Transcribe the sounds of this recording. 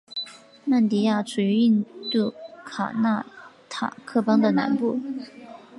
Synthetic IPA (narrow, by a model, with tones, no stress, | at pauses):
ma˥˩nt̪i˧˥ja˥˩ʈ͡ʂʰu˨˩y˧˥i˥˧nt̪u˥˩kʰa̰˨˩na˥˩ | t̪ʰa̰˨˩kʰɤ˥˩pɑ˥ŋd̪ə˨na̰˧˥npu˥˩